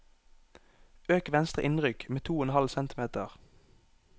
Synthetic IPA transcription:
øːkʋɛnst̪ʁə̰ʔɪnʁʏkmeːt̪ʰuːɛnhɑlsɛnt̪ɪmeːt̪əʁ

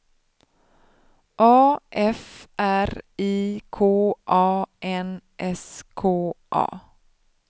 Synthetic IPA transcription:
ʔɑːʔɛfʔæɾiːkʰoːʔɑːʔɛnʔɛskʰoːʔɑ̰ː

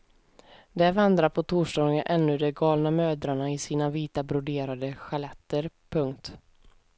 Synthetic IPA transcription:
d̪ɛɾvand̪ɾaɾpʰɔt̪ʰuːʂɖɑːɡənʔɛnːɵd̪ɛɡɑːlnamøːd̪ɾaɳaɪsiːnaviːt̪abɾʊd̪eːɾad̪əɧalɛt̪ːəɾ | pʰɵŋkt̪

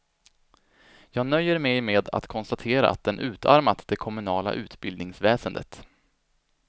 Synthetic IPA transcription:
jɑːɡnœjːəɾmɛjmeːd̪a̰t̪kʰɔnst̪at̪ʰeːɾa̰ʔa̰t̪̚d̪ɛnʔʉ̟ːt̪ʰa̰ɾmat̪d̪ɛkʰɔmɵnɑːla̰ʔʉ̟ːt̪bɪld̪nɪŋsvɛːsənd̪ə̰t̪

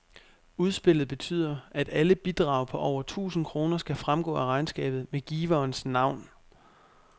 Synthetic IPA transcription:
uð̞ˠsb̥e̝l̰ð̩ˠb̥e̝t͡sʰy̰ð̞̰ˠɐæd̥æləb̥id̥ʁɑ̈ʊpʰɒ̽ʔɒʊ̰ɐt͡sʰṵːsn̩kʰʁo̝ːnɐsɡ̥æfʁamɡ̥ɔ̰̽ːæʁɑ̈ɪnsɡ̥ɛ̰ːb̥ð̩ˠmeɡ̥iːʋɐːnsnɑ̈ʊ̰n

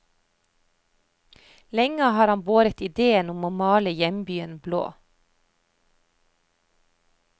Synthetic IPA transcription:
lɛŋəhɑːɾɑmboːɾət̪ɪd̪eːənʊmoːmɑːləjɛmbyːənblo̰ː

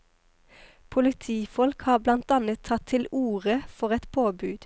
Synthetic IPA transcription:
pʰʊlɪt̪ʰiːfɔlkhɑːblɑnt̪ɑnət̪ʰɑt̪ʰɪluːʁəfɔʁɛt̪pʰoːbʉːd̪̥

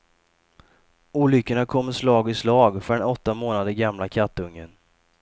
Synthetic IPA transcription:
uːlʏkːəɳakʰɔmːəʂlɑːɡɪslɑːɡfœɖɛnɔt̪ːamoːnad̪əɪɡamlakʰat̪ːɵŋːən

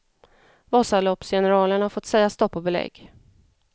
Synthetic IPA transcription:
vɑːsalɔpsjɛnəɾɑːləɳhaɾfɔt̪sɛjːast̪ɔpːɔbɛlɛ̰ɡː

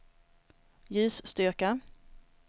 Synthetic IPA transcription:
jʉ̟ːsːt̪ʏɾka

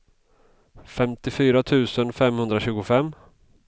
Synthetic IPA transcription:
fɛmt̪ɪfyːɾat̪ʰʉ̟ːsənfɛmhɵnd̪ɾaɕʉ̟ːɡʊfɛmː

